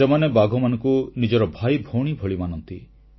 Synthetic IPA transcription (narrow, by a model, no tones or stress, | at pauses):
emanebaɡʱɔmanɔŋkunid͡ʒɔɾɔbʱajbʱoɽ̃ibʱoɭimanɔnt̪i